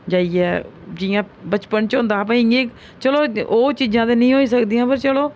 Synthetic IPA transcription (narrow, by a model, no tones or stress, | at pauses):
d͡ʒaːiːɛːd͡ʒiːjãː | bət͡ʃpənt͡ʃõːnd̪aːp̬ãĩẽːk | t͡ʃəloːoːt͡ʃiːd͡ʒãːd̪eːnəĩːɦoːiːsəkd̪iːãːpəɾt͡ʃəloː